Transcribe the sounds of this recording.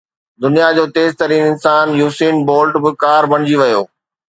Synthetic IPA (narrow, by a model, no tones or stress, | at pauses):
d̪ʊnijad͡ʑoːt̪eːzt̪ɐɾiːnɪnsaːnjuːsiːnboːlʈbɪkaːɾbɐɽ̃ɪd͡ʑiʋɐjoː